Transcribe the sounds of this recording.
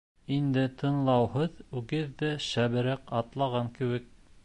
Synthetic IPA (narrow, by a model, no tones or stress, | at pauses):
ind̪ɘt̪ʰɤ̆nlˠɑwhɤðʉɡɘðːæʃæβɘ̆ɾæqɑt̪lˠɑʁɑŋkɘ̆wɘk̚